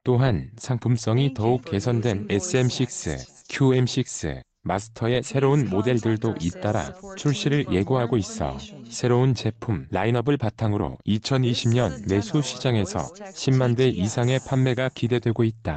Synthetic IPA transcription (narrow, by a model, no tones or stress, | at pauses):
t͈oɦansʰaŋpʰums͈ʌŋitʌuk̚k͈e̞sʰʌndwe̞nes͈ʰɯemɕ͈ʰik̚s͈ɯ̰ | kʰjuemɕ͈ʰik̚s͈ɯ̰ | masʰɯ̥tʰʌe̞sʰe̞ɾounmode̞ɭdɯɭdoʔit̚t͈aɾa̰t͡ɕʰuɭɕ͈iɾɯɭje̞ɡoɦaɡois͈ʌ̰sʰe̞ɾount͡ɕe̞pʰumlainʌbɯɭpatʰaŋɯɾo̰it͡ɕʰʌniɕʰimɲʌnme̞sʰuɕʰid͡ʑaŋe̞sʰʌ̰ɕʰimːandwe̞ʔisʰaŋe̞pʰanme̞ɡakide̞dwe̞ɡoit̚t͈a